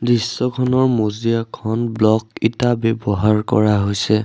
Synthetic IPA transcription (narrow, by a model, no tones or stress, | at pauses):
disːɔkʰɔnɔɹmozijakʰɔnblɔkitabɛbɔɦaɹkɔ̰ɹaɦojsɛ